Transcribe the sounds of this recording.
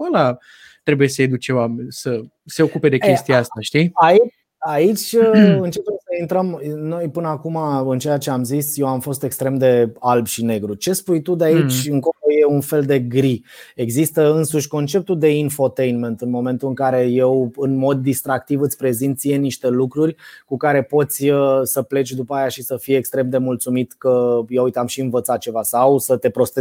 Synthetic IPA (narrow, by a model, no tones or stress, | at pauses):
ala | t̪ɾe̞bujesəed̪uk̚t͡ʃewamnsə | se̞o̞kupe̞d̪e̞kʲe̞st̪ijaast̪aʃt̪iait͡ʃ | ait͡ʃʲɨnt͡ʃe̞pemsəint̪ɾəmno̞jpɨnəakumaɨnt͡ʃejat͡ʃeamzisje̞wamfo̞st̪e̞kst̪ɾe̞md̪e̞albʃine̞ɡɾut͡ʃe̞spujt̪ud̪eait͡ʃʲɨŋkoloje̞unfe̞ld̪e̞ɡɾie̞ɡzist̪əɨnsuʃʲko̞nt͡ʃe̞p̚t̪ud̪e̞info̞t̪e̞jnme̞nt̪ɨnmo̞me̞nt̪uɨŋkaɾe̞je̞wɨnmo̞d̪ːist̪ɾak̚t̪ivɨt̪sʲpɾe̞zint̪sijeniʃt̪e̞lukɾurʲkukaɾe̞po̞t̪sʲəsəple̞t͡ʃʲd̪upəajaʃisəfijekst̪ɾe̞md̪e̞mult̪sumit̪kəjeujt̪eamʃiɨnvət̪sat̪̚t͡ʃe̞vasawsət̪e̞pɾo̞st̪e